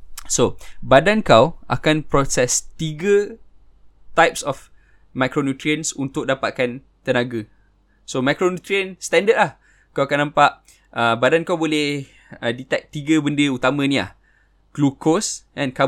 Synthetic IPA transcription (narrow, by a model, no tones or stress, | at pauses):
sobadankawʔa̰kanpɾɔsɛst̪iɡə | t̪ajp̚sɔf | makɾonut̪ɾiə̃nsunt̪ʊk̚dapaʔ̪̚kan | t̪ənaɡə | somakɾonut̪ɾiə̃nst̪ɛ̃ndət̚lah | kawakanːãmpaʔ | əbadankawbolɛh | ədit̪ɛk̚t̪iɡəbəndəut̪amə̃nia̰h | ɡ̥lukosɛ̃nka